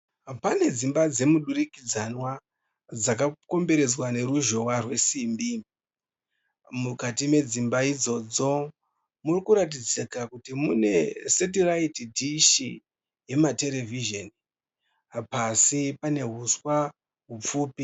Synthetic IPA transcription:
pane̞d͡zimbad͡ze̞muɗuɾikid͡zanwa | d͡zak̬ako̞mbe̞ɾe̞d͡zwane̞ɾuʒo̞warwe̞siːmbi | mukatime̞d͡zimbaid͡zo̞d͡zo̞ | murikuɾat̬id͡zikakutimune̞set̬iraitdiʃi | je̞mate̞le̞viʒeni | pasipane̞ɦuswa | ɦup͡fuːpi

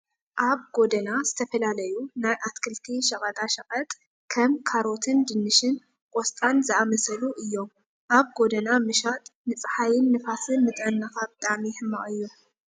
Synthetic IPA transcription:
ʔaβɡ̥o̞d̪ɐnaz̥ɨt̪ʰɐfɐlalɐjunajʔat̪kʰɨlt̪ʰiʃɐkʼɐt̪ʼaʃɐqʼɐt̪ʼ | kʰɐmkʰaɾo̞t̪ʰɨnd̪ɨnːɨʃɨn | kʼɔst̪ʼanzɨʔamɐsɐluʔɨjːo̞m | ʔaβɡo̞d̪ɐnamɨʃat̪ʼnɨt͡sʼħajɪnːɨfasɨnmɨt̪ʼɐnːɐxab̚t̪ʼaʕmihɨmːa̰ʔɨjːu

